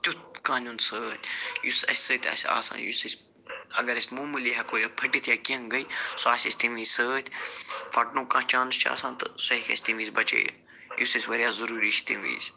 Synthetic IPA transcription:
t̪ʲut̪kãːnʲunsəːt̪ʰʲjusɐ̰sʲsəːt̪ʰʲɐ̰sʲa̰ːsã̰ːnjṵsisʲ | ɐ̰ɡɐɾɐsʲmuːmɨliɦakoːjɐpʰɐʈit̪ʰjaːkiɐ̃ŋɡɐisoaːsʲisʲt̪imiːsəːt̪ʰʲfʰɐʈnũːkãːt͡ʃaːnɨst͡ʃʰa̰ːsãːnt̪ɨsoikʲɐ̰sʲt̪imiːsʲbɐt͡ʃḛː | jusisʲʋɐɾjaːzɐɾuːɾiʃt̪imḭːsʲ

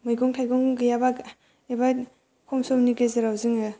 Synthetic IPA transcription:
majɡɔŋtʰajɡɔŋɡɯjaba | eba | kʰɔmsɔmniɡezeɾawzɯŋɯ

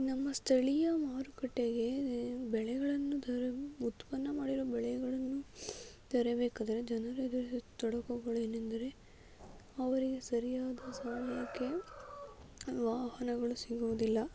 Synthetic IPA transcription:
nɐmːɐst̪ʰɐɭijɐmaːɾukɐʈːeɡe̞bɛɭɛɡɐɭɐnːud̪ɐɾeut̪pɐnːɐmaːɽiɾobɛɭɛɡɐɭɐnːu | t̪ɐɾebeːkaːd̪ɐɾed͡ʒɐnɐɾed̪ɐɾiit̪ɔɽɐkuɡɐɭueːnend̪ɐɾe̞ | ɐʋɐɾiɡe̞sɐɾijaːd̪ɐsamɐjɐkːe | ʋaːhɐnɐɡɐɭusiɡoʋd̪ilːɐ

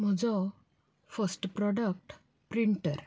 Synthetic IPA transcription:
m̤əd͡zɔ | fəsʈpɾɔɖək̚ʈ | pɾiɳʈəɾ

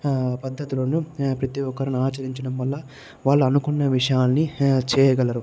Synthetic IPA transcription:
pɐd̪ʱːɐt̪ilonupɾɐt̪iʋɔkːɐɾɐnuaːt͡ʃɐɾiɲt͡ʃɐɽɐmʋɐlːɐ | ʋaːɭːuɐnukunːɐʋiʂɐjaːlnit͡ʃɛːjɐɡɐlɐɾu

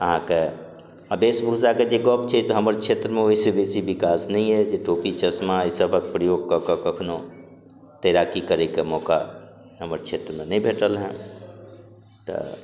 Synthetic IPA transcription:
əɦãke | əbeːsbʱuːsaked͡ʒeɡɔːpt͡ʃʰet̪oɦəməɾt͡ʃʰeːt̪ɾəmẽoɪsebeːsibɪkaːsnəɦĩɦɛd͡ʒeʈoːpit͡ʃəsmaisəbʱək̚pɾəjoːɡ̚kakəkəkʰnõ | t̪eɾaːkikəɾekemɔːkaɦəməɾt͡ʃʰeːt̪ɾəmẽnəɦĩbʱeːʈəlɦɛ̰̃ | t̪o̰

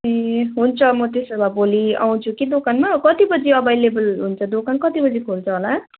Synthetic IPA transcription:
eɦunt͡sʰʌmʌt̪esʌbʱabolia̰w̃t͡sʰukid̪okanmakʌt̪ibʌd͡ziʌbajlebʌlɦunt͡sʰʌd̪okankʌt̪ibʌd͡zikʰolt͡sʰʌɦola

